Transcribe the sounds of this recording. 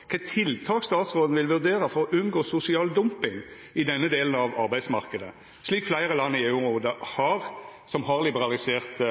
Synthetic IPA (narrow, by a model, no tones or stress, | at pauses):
kʰɛt̪ʰɪlt̪ʰɑːkst̪ɑːt̪sʁoːd̪n̩ʋɪlʋʉʁd̪eːɾəfɔɾɔʔʉnɡoːsʊsɪɑːld̪ʊmpɪŋ | ɪd̪ɛnːəd̪eːlən̩ɑʋɑ̰ʁbæɪd̪smɑʁkəd̪ə̰ | ʂliːkflæɪʁəlɑnːɪeːʉʁuːd̪əhɑʁsɔmɦɑʁlɪbəʁɑlɪseːʁt̪